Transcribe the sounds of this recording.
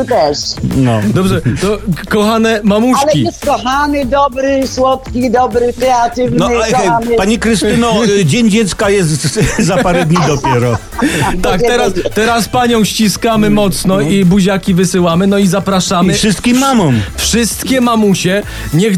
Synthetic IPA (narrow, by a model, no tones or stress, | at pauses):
t̪ɛʂnɔd̪ɔbʐɛt̪ɔkɔxanɛmamuʃɛiɛskɔxamɪd̪ɔbɾɪswɔt̪kʲid̪ɔbɾɪkɾɛat̪ɪvnɔaapaɲikɾɨst̪ɘnɔd͡ʑeɲd͡ʑɛt̪skajɛst̪zapaɾɛd̪ɲid̪ɔpʲjɛɾɔ | t̪akt̪ɛɾast̪ɛɾaspaɲɔ̃w̃ɕt͡ɕiskamɘmɔt̪snɔibuʑakʲivɘsɘwamɘnɔizapɾaʂamɘfʂɨst̪̚kʲimːamɔ̃mfʂɨst̪kʲɛmamuɕɛ | ɲɛx